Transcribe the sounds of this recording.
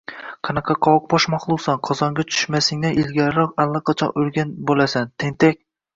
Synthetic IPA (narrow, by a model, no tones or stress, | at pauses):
qʰɑnɑqʰɑqʰɒwq̚bɒʃmɒχlˠowˠsɑnqʰɒzɒŋɡʲat͡ʃ̪ʰʊ̥ʃmasɪŋnaʔɪlɡʲaɾɾɒqalˠːɑqʰɑt͡ʃʰɒ̰nɵlɡʲanbolasant̪ʰeŋt̪ʰek̚ʲ